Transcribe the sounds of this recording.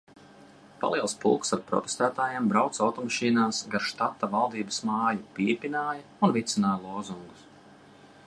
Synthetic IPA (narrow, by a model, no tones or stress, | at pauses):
pa̰lˠiɛlˠspṵlˠksaɾpɾɔ̰t̪est̪æːt̪aːjambɾawt̪sawt̪ɔmaʃiːnaːsɡaɾʃt̪at̪ːavalˠd̪iːbɐ̥smɑːjupʲipʲinaːjɐunvit̪sinaːjlˠuːzuŋɡu̥s